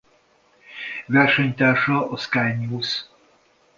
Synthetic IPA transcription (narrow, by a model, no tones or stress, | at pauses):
vɛrʃɛɲt̪aːʃɒʔɒskajnuːs